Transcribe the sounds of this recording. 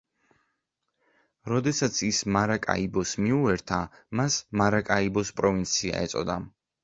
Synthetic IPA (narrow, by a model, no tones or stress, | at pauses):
ɾɔd̪ɛsat̪sʰismaɾakʼa̰ibɔsmiuɛɾt̪ʰamasmaɾakʼaibɔspʼɾɔvint̪sʰia̰ɛ̰t̪sʼɔ̰d̪a